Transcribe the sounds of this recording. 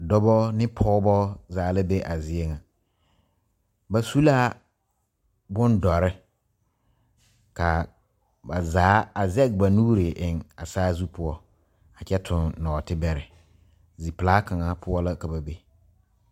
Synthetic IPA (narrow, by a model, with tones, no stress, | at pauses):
dɔ˦bɔ˦nɪ˦pʰɔː˦bɔ˦zaː˨˦lɪ˦be˦ʔa˨zɪ˦e˦ŋa˨ | ba˨su˦laː˦ | bʊ˦ndɔ˨ɾɪ˦ | ka˨ | ba˨zaː˨˦a˨zɛ˦k̚ba˨nuː˦ɾɪ˨ʔɪ˨ŋa˨saː˦zu˦pʰʊ˦ɔ˦ | a˨t͡ʃɛ˦tʰʊ˨nnɔː˨tɪ˦bɛ˦ɾɪ˨ | zi˨plaː˦ka˨ŋa˨pʊ˦ɔ˦la˦ka˨ba˨be˦